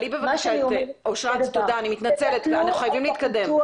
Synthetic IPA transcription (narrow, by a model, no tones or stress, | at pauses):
libevakaʃat̪eoʃʁatt̪odaːnimit̪nat͡selet̪veanaxuχajavimliit̪kad̪e̞m